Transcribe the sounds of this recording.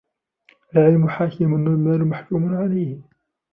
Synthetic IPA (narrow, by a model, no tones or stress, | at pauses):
əlʕɪlmʊħakɪmʊnːmælumaħkumʊnʕalajh